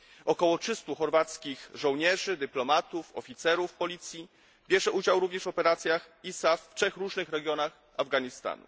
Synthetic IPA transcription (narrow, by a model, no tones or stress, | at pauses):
ɔkɔwɔtʂɘst̪uxɔɾvat̪skʲixʐɔ̃w̃ɲɛʐɘd̪ɘplɔmat̪ufɔfʲit̪sɛɾufpɔlʲit̪sʲji | bʲjɛʐɛʔud͡ʑawɾuvɲɛʂvɔpɛɾat̪sʲjax | isaftʂɛxɾuʐnɘxɾɛɡʲjɔnax | avɡaɲist̪a̰nṵ